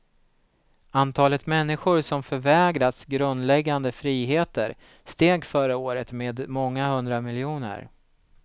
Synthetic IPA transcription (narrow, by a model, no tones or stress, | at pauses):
ant̪ʰɑːlət̪mɛnːɪɧʊɾsɔmfœɾvɛːɡɾat̪sɡɾɵnd̪lɛɡːand̪əfɾiːɦeːt̪ə̰ɾ | st̪eːɡfœɾəoːɾət̪meːd̪mɔŋːahɵnd̪ɾamɪljuːnə̰ɾ